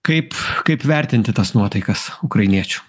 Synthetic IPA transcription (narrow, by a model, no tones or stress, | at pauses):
kɐɪpkɐɪpʋʲæˑɾʲt̪ʲɪnʲt̪ʲɪt̪ɐsnuɔt̪ɐɪkɐsʊkɾɐɪnʲiɛt͡ʃʲʊ̥